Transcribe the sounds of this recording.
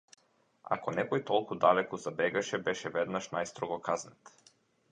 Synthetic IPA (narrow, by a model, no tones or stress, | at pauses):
a̰kɔnɛkɔjt̪ɔlˠkud̪alɛkɔzabɛɡaʃɛbɛʃɛvɛd̪naʃnajst̪ɾɔɡɔkaznɛt̪